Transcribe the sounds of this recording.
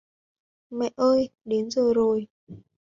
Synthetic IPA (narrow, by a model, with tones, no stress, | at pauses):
mɛ̰˧˨ʔʔəː˧jɗe˨˦nzəː˨˩jzo˨˩j